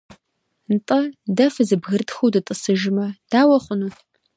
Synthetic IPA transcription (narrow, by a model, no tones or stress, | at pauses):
nɨtʼɐdɐfɨzɨbɣɨrtxuwdɨtʼɨsɨʒɪmɐd̥aːwɐχʷʊnu